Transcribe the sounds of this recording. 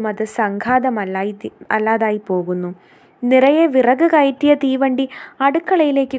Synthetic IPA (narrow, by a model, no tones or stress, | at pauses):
mɐðɨsɐŋɡʰʱaːðɐmɐɐlːaːðaːjipo̞ːɣunːu | nirɐjeʋirɐɣɨɣɐjtːijɐt̪iːʋɐɳɖiɐɽukːɐɭɐjile̞ːkːɨ